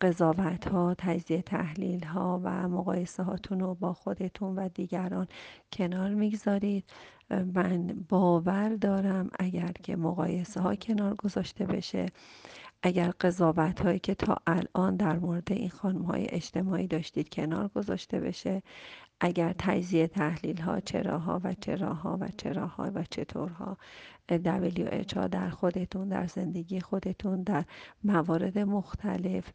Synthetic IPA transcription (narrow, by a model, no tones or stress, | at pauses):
ɢe̞zɒːvæt̪ʰhɒːt̪ʰæd͡ʒziːet̪ʰæ̰hliːlɦɒːvæ̰moɣɒ̰ːje̞seɦɒːt̪ʰunobɒːxo̞d̪e̞t̪ʰunvæd̪iːɟæɾɒːncʰe̞nɒːɾmiɡzɒːɾiːd̪̥̚ | mænbɒːvæɾd̪ɒːɾæmʔæɟæɾcʰe̞̰moɣɒ̰ːje̞seɦɒːcʰe̞nɒːɾɡo̞zɒːʃt̪e̞be̞̰ʃe̞̰ʔæɟæɾɢe̞zɒːvæt̪hɒːiːcʲʰe̞t̪ʰɒ̰ːʔælʔɒːnd̪æɾmoɾe̞d̪e̞ʔinxɒːnumhɒ̰ːjḛʔed͡ʒt̪ʰe̞mɒːʔiːd̪ɒːʃt̪iːd̪̥̚cʰe̞nɒ̰ːɾɡo̞zɒ̰ːʃt̪e̞̰be̞̰ʃe̞ʔæɟæɾt̪ʰæd͡ʒziet̪ʰæhlilɦɒ̰ːt͡ʃʰe̞̰ɾɒːɦɒ̰ːvæ̰t͡ʃʰe̞ɾɒːɦɒ̰ːvæ̰t͡ʃʰe̞ɾɒːhɒ̰ːvæt͡ʃʰe̞t̪ʰoɾɦɒ̰ːd̪æbeljṵʔḛt͡ʃhɒ̰ːd̪æɾxo̞d̪e̞t̪ʰund̪æ̰ɾze̞nd̪e̞ɡiːjexo̞d̪e̞t̪ʰund̪æɾmævɒːɾe̞d̪e̞moxt̪ʰæ̰le̞f